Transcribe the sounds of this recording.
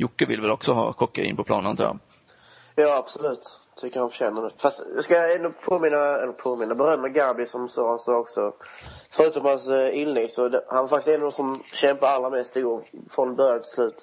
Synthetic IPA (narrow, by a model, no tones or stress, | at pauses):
jʊkːəvɪlvɛlɔksɔɦɑ̰ːkʰɔkːaḭːnpʰɔpʰlɑ̰ːnənt̪ʰɾ̰ | jɑːab̥sɔlʉ̟ːt̪t̪ʰʏkːəɾhanfɕɛnːəd̪ɛfast̪jɑskaɛnːʊpʰoːmɪnːaɛlːəɾpʰoːmɪnːabəɾœmːəɡaɾbɪsɔmsɔːɾhansoɔksɔfœɾʉ̟ːt̪ɔmhansɪnlɛɡ̚t̪sɔd̪ɛhanvaɾfakt̪ɪst̪ɛnːɔsɔmɕɛmpaɾalːɾamɛst̪ɪɡoːɾfɾɔnbœɾjat̪ʰɪ̥slʉ̟ːt̪